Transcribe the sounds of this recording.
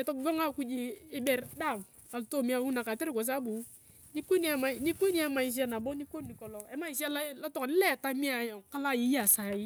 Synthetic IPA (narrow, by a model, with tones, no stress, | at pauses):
ɛ˨tɔ˦kɡo˦ŋa˦ku˦d͡ʒi˦ɪ˦bɛ˨ɾda˦˨m | a˨lto˦˨mi˦a˦wu˦na˨ka˨ti˦ɾi˦˨ko˨s̬a˦bu˨˦ | ni˦ku˦ni˦a˨ma˨ni˦kʷu˦ni˦a˦ma˨i˨s̬i˦a˦na˨bo˦ni˦ko˦nni˨kɔ˨lɔ˨ɛ˦ma˦i˨s̬i˦a˦la˦la˦tɔ˦kni˦lɛ˦˨ta˦mi˦a˨jo˨ŋka˦la˦ji˦a˨sa˨ji˦